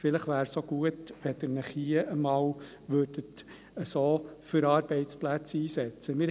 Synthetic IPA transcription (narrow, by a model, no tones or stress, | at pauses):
fɪləχʋæːɾsoɡ̥uətʋɛd̪əɾnəχhiːəʔəmɑːw | ʋøːɾdət̪ | əsoːfʏɾɑːɾb̥ɛɪtt͡splæt͡siːsɛt͡səmɪɾ